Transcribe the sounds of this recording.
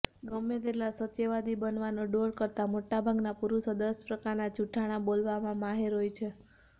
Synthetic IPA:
ɡəmet̪elasət̪eʋad̪ibənʋanoɖoɾkəɾt̪amoʈabʱaɡnapuɾusəd̪əspɾəkaɾnat͡ʃuʈʰaɽ̃abolʋamãmaɦeɾɦojt͡ʃʰe

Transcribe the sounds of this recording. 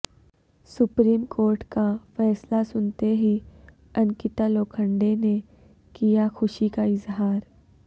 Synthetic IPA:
sʊpɾiːmkoːɾʈkafɛːslasʊnt̪eɦi | ɐ̃nkɪt̪aloːkʰə̃ɳɖene | kijaxʊʃikaɪzɦaːɾ

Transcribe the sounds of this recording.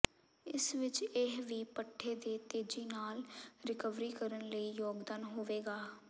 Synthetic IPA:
ɪsʋɪt͡ʃɪɦʋiːpəʈʰːeːd̪eːt̪eːd͡ʒiːnaːlɾɪkəʋɾiːkəɾənləiːjoːɡd̪aːnɦoːʋeːɡaː

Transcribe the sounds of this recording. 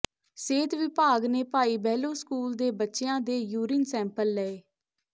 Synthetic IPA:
seːt̪ʋɪpaːɡneːpaːiːbɛːloːskuːld̪eːbətːʃeãːd̪eːjuːɾiːnsɛ̃ːmpəlːɛːeː

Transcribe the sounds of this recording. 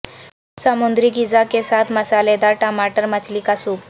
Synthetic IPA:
samund̪ɾiːɡid͡zakesat̪məsaled̪aʈəmaʈəɾmət͡ɕlikasuk

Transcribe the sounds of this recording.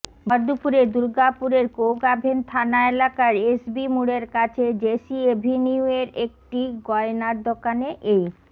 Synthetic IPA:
baɾd̪upuɾed̪uɾɡapuɾeɾkowɡabʱent̪ʰanaelakaɾesbimuɽeɾkat͡ɕʰed͡ʑesiebʱiniueɾek̚ʈiɡɔenaɾd̪ʱokaneʔej

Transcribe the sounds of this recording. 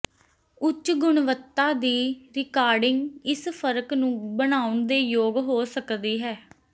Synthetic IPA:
ʊt͡ʃːɡʊɳʋət̪ːaːd̪iːɾɪkaːɾɖɪŋɡɪspʰəɾəknũːbənaːʊɳd̪eːjoːɡɦoːsəkd̪iːɦɛː

